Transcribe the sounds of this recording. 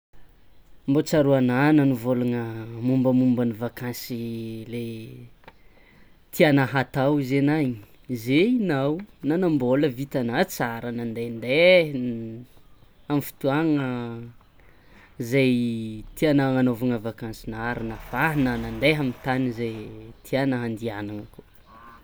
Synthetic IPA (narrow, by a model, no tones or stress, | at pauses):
mbot͡saɾuananənivoluŋəmumbəmumbanivakansile | t̪ʰianaɦat̪awizenaɲi̥ | zeinawnanamboləvit̪anat͡saɾənand̪end̪e | amifi̥t̪uaŋə | zajt̪ianaŋanovaŋəvakansinaɾinafaɦinənand̪eɦamint̪anizejt̪ʰianəɦand̪ianaŋəku